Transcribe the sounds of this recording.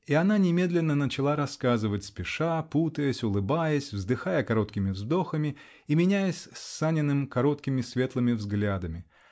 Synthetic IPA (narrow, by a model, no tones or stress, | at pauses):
iɐnanʲɪmʲe̞d̪lʲɪnːənət͡ɕɪlˠaɾɐskazɨvətʲspʲɪʂaput̪əjəsʲʊlˠɨbajəsʲvzd̪ɨxajəkɐɾo̞t̪kʲɪmʲɪvzd̪o̞xəmʲɪ | imʲɪnʲæjəsʲsːanʲɪnːɨmkɐɾo̞t̪kʲɪmʲɪsvʲe̞t̪lˠɨmʲɪvzɡlʲad̪əmʲɪ